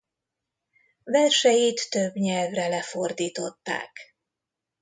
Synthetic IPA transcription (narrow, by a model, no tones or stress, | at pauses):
vɛrʃɛjit̪ːøbɲɛlvrɛlɛfo̞rd̪iːt̪o̞t̪ːa̰ːk